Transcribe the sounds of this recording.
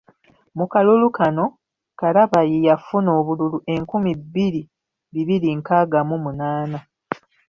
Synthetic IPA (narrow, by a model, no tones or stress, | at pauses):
mukalulukano̞ | kaɾaβajejafuno̞ːβululuʔe̞ŋkumibiɾi | βiβiɾiŋkaɡamumunaːna